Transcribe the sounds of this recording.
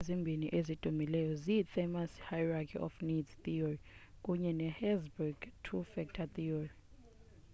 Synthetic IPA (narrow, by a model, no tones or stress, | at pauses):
ezimbʱiniʔezid̥ʱumilɛjɔzifemashajrakʰḭʔɔ̰fnidtiɔɹikʼuɲɛnɛhɛzbuɡtʰufɛk̚tʰat̪ioɹi